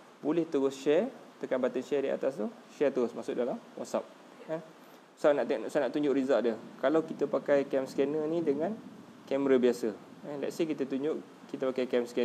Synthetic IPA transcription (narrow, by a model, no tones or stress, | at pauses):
bulɛht̪uɾʊsʃɛrt̪əkanbat̪ənʃɛdia̰t̪ast̪u | ʃɛt̪uɾʊsmasʊʔ̚dalamwa̰t̪̚sa̰p̚ | kan | sanaʔt̪sanaʔt̪uɲd͡ʒʊʔɾizaʔdiəkalawkit̪əpakajkɛmskɛnənidəŋãn | kɛmɾəbiasə | alɛ̰ʔ̪̚sekit̪ət̪uɲd͡ʒʊʔ | kit̪əpakajkɛmskɛn